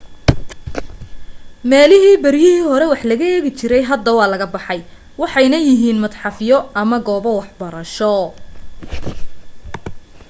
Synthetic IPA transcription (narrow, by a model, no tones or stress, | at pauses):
mɛːlɪɦiːbɐɾɪjɪhiːhɔɾɛwɑħlɐɣɐɛːɣɪt͡ʃɪɾɛjɦɐd̪ːɐwɑːlɐɣɐbɑħɑj | wɑħɑjnɐjɪɦiːnmɐd̪ħɑfjɔɐmɐɡɔːβɔwɑħbɐɾɐʃɔ